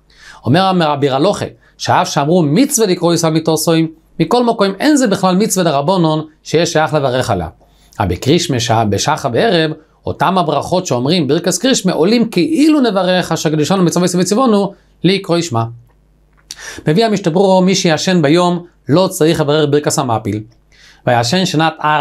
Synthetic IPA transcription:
omeʁameʁabiʁalo̞χḛ | ʃeaafʃeamʁumit͡svelikʁojsalmitoʁsojmː | ikolmokojmḛnzebiχlalmit͡sveleʁabononʃejɛʃajaχlevaʁeχa̰la̰ | a̰bikʁiʃmeʃabeʃaχabeeʁev | o̰tamhabʁaχotʃeomʁimbiʁkaskʁiʃmeʔolimkɛʔilunevaʁeχaʃakeduʃanumit͡savojsvet͡sivonu | leikʁojʃma | mevihamiʃtabʁuʁomiʃejaʃenbajom | lot͡saʁiχlevaʁeχbiʁkashamapil | vajaʃenʃanata

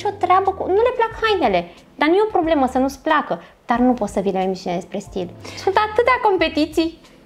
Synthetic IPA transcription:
ʃo̞t̪ɾeabəkunule̞plakhajnele | d̪anujeopɾo̞ble̞məsənusplakəd̪̥arnupo̞t̪səvinəlaemiʃined̪espɾe̞st̪ilsunt̪at̪ɨt̪eako̞mpe̞t̪it̪sij

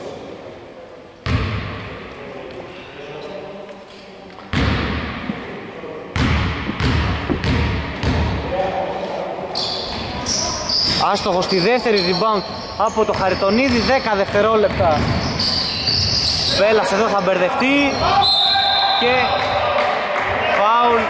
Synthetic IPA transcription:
ɐst̪oxo̞st̪iðeft̪e̞ɾiðibɐŋk | ɐpot̪o̞xɐɾit̪o̞niðiðe̞kɐðe̞ft̪e̞ɾo̞le̞pt̪ɐ | pe̞lɐse̞ðo̞θɐbe̞ɾðe̞ft̪i | ce̞ | pɐul

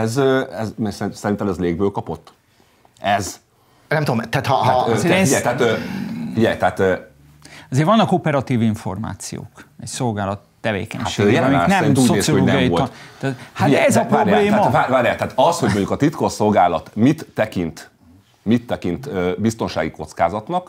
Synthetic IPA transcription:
ɛzøɛzmɛssɛɾinɛmɛzleːɡ̚bøːlkɒpo̞t̪ː | ɛz | nɛmt̪ud̪mt̪at̪aeiɛjt̪ɛaat̪øfiɟɛ̰jt̪ɛat̪ø | ɒzeːrvɒnːɒko̞pɛɾɒt̪iːviɱfo̞̰rma̰ːt̪sijo̰ːkɛcso̞lɡaːlɒt̪ːɛvḛːkɛ̰ɲaʃeːɡjɛlmiɛɾint̪uːɟoneːsijooloːnɡijiolt̪ːhaɛzɒɾaːɾjbaleːmaɒaːvaːɾjat̪aːt̪ɒshoɟmoɲɟukɒt̪it̪koso̞lɡaːlɒt̪mit̪ːɛkint̪ | mit̪ːɛkint̪øːbist̪o̞nʃaːɡiko̞t̪ska̰ːzɒt̪nɒk

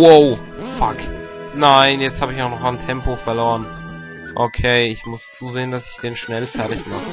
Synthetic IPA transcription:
woʊ | faknaɪnjɛt͡sthaːbəɪçaʊxnɔχantʰɛmpofɛɐloːʁən | ʔokʰeɪɪçmʊst͡suːzeːəndasɪ̥çd̥eːnʃnɛlfɛɐtɪçmaχə

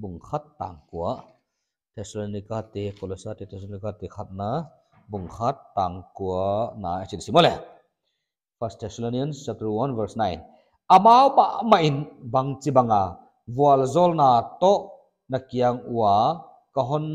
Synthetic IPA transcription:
buŋkʰat̪ːa̰ŋkuɐʔ | t̪ʰɛsɔlonikat̪ekɔlɔsat̪ɛt̪ʰɛslonikat̪ekʰat̪̚na | buŋxʰat̪ːaŋkuɐna̰ɐt͡ʃinsimɔlɛ | fɐst̪ʰɛsɔloniɐnt͡ʃap̚t̪ɾuwɐnvɛɾsnajn | ɐmaːwmaʔmɐʔinbɐŋt͡sibɐŋa | vuɐlzɔlnat̪ɔʔ | nɐkiaŋua | kɐɦɔn

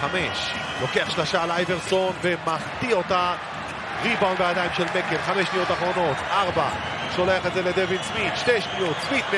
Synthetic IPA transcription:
ameʃ | lo̞keaχʃlaʃaːlajveʁso̞nvemaχt̪io̞t̪a | ʁibawlvajad̪ajimʃelmekelχameʃnijo̞t̪aχʁo̞no̞t̪ʔaʁba̰ | ʃo̞leaχet̪zeled̪evid̪smit̪ʃt̪eʃnijot̪smit̪m

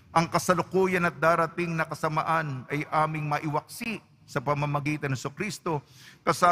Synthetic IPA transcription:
ʔɐŋkɐsɐlokuːjɐnɐt̪̚d̪aːɾɐt̪iŋnɐkɐsɐmɐʔanɐjʔaːmɪŋmɐʔɪwɐk̚siʔ | sɐpɐmɐmɐɡiːt̪ɐnhɛsokɾist̪o̞kɐsa

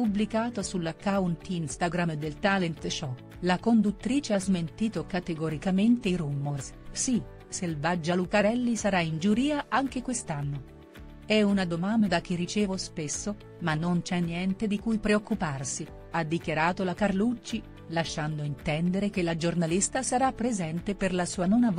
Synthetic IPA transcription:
publikaːt̪osulːakaunt̪inst̪aɡɾamd̪elt̪alent̪t͡ʃɔ | lakond̪ut̪ːɾiːt͡ʃeazment̪iːt̪okat̪eɡoɾikament̪eɾumːorssi | selvad͡ʒːalukaɾɛlːisaɾaind͡ʒuɾiːaaŋk̟ekwest̪anːo | ɛunad̪omand̪ak̟ːirːit͡ʃɛːvospesːo | manːont͡ʃɛnːjɛnt̪ed̪ikujpɾeokːuparsi | ad̪ːikjaɾaːt̪olakarlut͡ʃːi | laʃːand̪oint̪ɛnd̪eɾek̟elad͡ʒornalist̪asaɾapːɾezɛnt̪eperlasuːanonav

